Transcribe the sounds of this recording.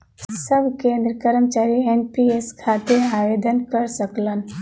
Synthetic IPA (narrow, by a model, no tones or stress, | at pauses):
səbʱkẽːnd̪ɾəkəɾəmt͡ʃaːɾienpieskʰat̪eaːʋed̪ənkəɾsəklən